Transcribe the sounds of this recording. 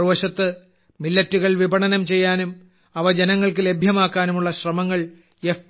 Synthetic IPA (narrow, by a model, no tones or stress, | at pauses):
ʋɐɕɐt̪ːɨ | milːɐtːuɣɐɭʋibʱɐɳɐnɐmt͡ɕe̞jːaːnum | ɐʋɐd͡ʑenɐŋːɐɭkɨle̞bʱjɐmaːkːaːnumuɭːɐɕrɐmɐŋːɐɭ | ef